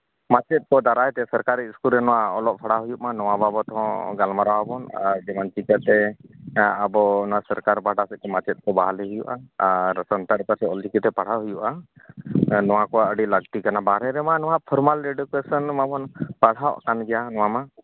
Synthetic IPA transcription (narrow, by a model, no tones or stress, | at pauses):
mat͡ʃɛt̪̚kɔd̪aɾajt̪ɛsəɾkaɾiiskulɾɛnɔwaɔlɔʔ̚pʰaɽ̤aɦujuʔ̚manɔwababɔt̪ɔɦɔ̃ɡalmaɾawabɔna̰ɾd͡ʒɛmant͡ʃikət̪ɛ | abɔnɔasəɾkaɾbaʈasɛt̪̚kɛmat͡ʃɛt̪̚kɔbaɦalɛɦujuʔa̰ɾəsənt̪aɾpəɾsɛɔld͡ʒikit̪ɛpaɽ̤aɦujuʔa | nɔwãkɔaəɖiləɡt̪ikanabaɾɛɾɛmanɔwaʔpʰɔɾmalɾeɖkwesənmabɔnpaɽ̤awʔkanɡɛjanɔwama